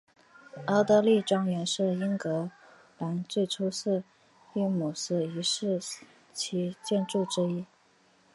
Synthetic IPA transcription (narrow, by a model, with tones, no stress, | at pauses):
ɑ˥t̪ɤ˧˥li˥˩ʈ͡ʂɑ˥ŋɥɛ˧˥nʂɻ̩˥˩i˥nkɤ˧˥ | la˧˥nt͡swe˥˩ɪʈ͡ʂʰu˥sɹ̩˥˩˧ | y˥˩mu˨˩sɹ̩˥˩i˧˥ʂɻ̩˥˩ | t͡ɕʰi˧˥t͡ɕjɛ˥˧nʈ͡ʂu˥˩ʈ͡ʂɻ̩˥i˥